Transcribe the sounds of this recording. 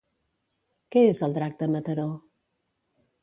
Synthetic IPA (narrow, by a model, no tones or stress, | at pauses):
kɛezəlˠd̪ɾak̚t̪əmət̪əɾo